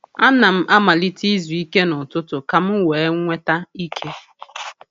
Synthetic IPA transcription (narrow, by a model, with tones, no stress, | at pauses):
a˦na˨m̩˦ʔa˦ma˨li˦ti˦zu˨i˦ke˦nʊ˨tʊ˦tʊ˨ka˨m̩˦weː˨e˦ŋ˦ŋʷe˦ta˦i˦kʰe˦